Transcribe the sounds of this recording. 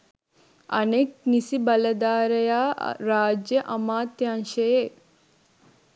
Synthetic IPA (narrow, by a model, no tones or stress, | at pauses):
ɐ̰neːk̚nisibɐlɐd̪aːɾɐjaːɾaːd͡ʒjɐʔɐmaːt̪jaːnʃɐjeː